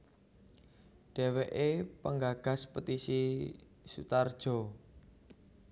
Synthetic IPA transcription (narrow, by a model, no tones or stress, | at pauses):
ɖ̥ɛ̤weʔepəŋɡaɡ̥a̤spət̪isi | sṵt̪ard̥ʒ̥o̤